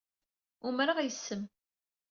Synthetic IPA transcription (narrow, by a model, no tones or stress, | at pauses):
ʊmɾaʁjəsːəm